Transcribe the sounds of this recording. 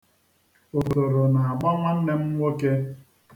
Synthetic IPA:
o˨do˨ɾo˨na˨a˨ɡ͡ba˦ŋʷa˦n̩˦ne˦m̩˦ŋʷo˦ke˦

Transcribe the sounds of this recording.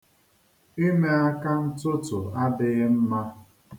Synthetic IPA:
i˦me˦a˦ka˦n̩˦tʊ˦tʊ˨a˦dɪ˨ɣɪ˦m̩˦ma˦

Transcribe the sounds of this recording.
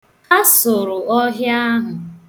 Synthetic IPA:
a˦sʊ˨ɾʊ˨ɔ˦ɦja˦ɦʊ˨

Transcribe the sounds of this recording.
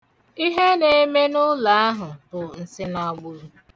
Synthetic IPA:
i˦ɦe˦ne˨˦me˦nʊ˦la˨˦a˦ɦʊ˨bʊ˨n̩˨sɪ˦nɔ˦ɡ͡bʊ˦ɾu˦

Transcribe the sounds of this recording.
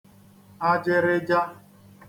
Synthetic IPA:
a˦d͡ʒɪ˦ɾɪ˦d͡ʒa˦

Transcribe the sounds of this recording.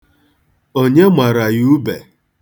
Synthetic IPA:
o˦ɲe˦mʷa˨ɾa˨ju˦be˨

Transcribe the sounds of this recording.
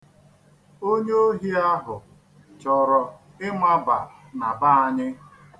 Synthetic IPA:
o˦ɲe˦o˦ɦi˦a˦ɦʊ˨ | t͡ʃɔ˨ɾɔ˨ | ɪ˦mʷa˦ba˨ | na˨ba˦a˦ɲɪ˦

